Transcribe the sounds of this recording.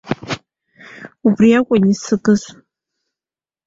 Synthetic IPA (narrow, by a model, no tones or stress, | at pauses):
ubriakʷʼʊnisɨɡɨzʷ